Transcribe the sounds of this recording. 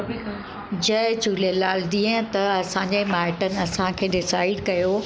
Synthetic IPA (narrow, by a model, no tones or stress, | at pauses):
d͡ʑɐɪd͡ʑulelaːld̪ĩːɦə̃t̪ɐɐsãːɲd͡ʑemaːɪʈənɪ̆ɐsãkʰeːɖɪsaːɪɖkɐjo